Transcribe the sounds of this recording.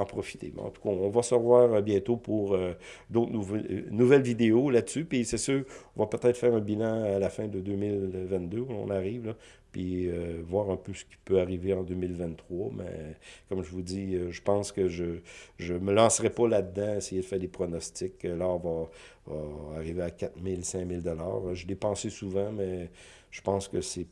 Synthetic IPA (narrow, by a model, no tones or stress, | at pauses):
ɑ̃pʁɔfi̥t̪ḛm̰ɑ̰̃t̪u̥kʰaɔ̃vasəvwaːʁəbjɛ̃t̪opuʁød̪ot̪nuvnuvɛlvid̪eolad̪əsypisɛsøːʁɔ̃vapət̪ɛt̪χfɛːʁɛ̃bilɑ̃alafɛ̃d̪əd̪øːmɪlvɛ̃t̪̚d̪øɔ̰̃naʁiːvla | piøvwaːʁɛ̃pøsə̥kʲi̥pøaʁiveɑ̃d̪øːmɪlvɛ̃nt̪ːχwɑmɛ̰kɔmʒəvud͡ziəʒəpɑ̃ːskəʒəʒəməlɑ̃sʁɛpɔlad̪ːãesejed̪əfɛːʁd̪epʁɔnɔst͡s̪ɪkəlaɔ̃vã | vaaʁiveakʲat̪mɪlsɛ̃mɪld̪ɔla̰ːʁʒəlɛpɑ̃sesuvɑ̃mɛ | ʒ̥ə̥pɑ̃skəsɛ